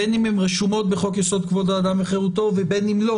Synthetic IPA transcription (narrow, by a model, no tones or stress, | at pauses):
enimemʁeʃumo̞t̪̚beχokjeso̞d̪̚kvod̪aːd̪amaχeʁut̪o̞vebenimlo